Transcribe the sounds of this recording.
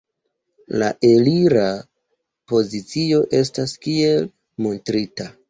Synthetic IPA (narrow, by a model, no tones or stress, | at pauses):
la̰ʔe̞liɾa | po̞zit͡sio̞ʔe̞staskie̞l | mo̞ntɾita